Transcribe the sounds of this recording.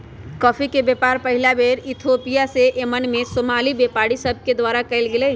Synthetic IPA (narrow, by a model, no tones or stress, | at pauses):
kɔːpʰikebepaɾpəɦilabeɾit̪ʰopijaseʔemənmesomalibepaɽisəb̚ʱked̪ʋaɾakəɪlɡelɛ